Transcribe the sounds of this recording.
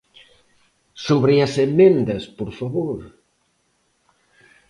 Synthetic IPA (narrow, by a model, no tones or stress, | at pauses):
soβɾeɐsemẽnd̪ɐspoɾfaβoɾ